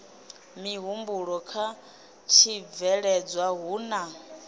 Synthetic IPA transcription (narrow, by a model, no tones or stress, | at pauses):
miɦumbuɺɔkʰa | t͡ʃʰivɛɺɛd͡zwaɦuːna